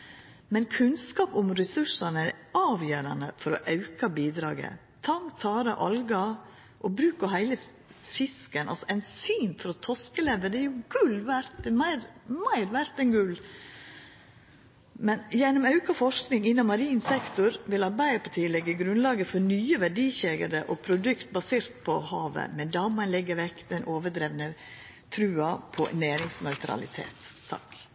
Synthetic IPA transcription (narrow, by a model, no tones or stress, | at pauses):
mɛnkʰʉnskɑːpʊmɾɛsʉʂɑnəæɑːʋjøːɾɑ̰nə̰fɔɾɔ̰ʔɑʉkɑbiːd̪ɾɑ̰ːɡə̰ | t̪ʰɑŋt̪ʰɑːɾəʔɑlɡɑ | ʔɔbɾʉːkɔɦæɪlə | fɪskənʔɑ̰lsɔæɪnsyːnfɔɾɔt̪ʰɔskəleːʋəd̪ɛɾjʊɡ̥ʉlʋæɾt̪mæɪɾmæɪɾʋæɾt̪ɛnɡʉl | mɛnjɛnːɔmɑʉkɑfɔʂknɪŋɪnːɑmːɑɾiːnsɛkt̪ʊɾʋɪlɑɾbæɪəpʰɑtʰiːlɛɡːəɡɾʉnlɑːɡəfɔnyːəʋæɖiːçeɡəd̪əʔɔpʰɾʊd̪ʉkt̪̚bɑseːɾt̪pʰɔhɑːʋə̰mɛnd̪ɑːmɑnlɛɡːəʋɛkːd̪ɛnʔoːʋəɖɾeːʋnə | t̪ʰɾʉːɑpʰɔ̰næːɾɪŋsnœʏt̪ʰɾɑ̰lɪ̰t̪ʰḛːt̪ʰːɑ̰k